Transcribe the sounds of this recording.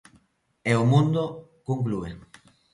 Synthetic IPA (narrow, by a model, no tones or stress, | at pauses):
eomũnd̪okuŋk̬lue